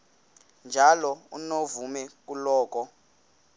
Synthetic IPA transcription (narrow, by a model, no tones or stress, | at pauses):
nd͡ʒʱalɔṵnovumɛk̬ʼulɔːk̬ʼɔ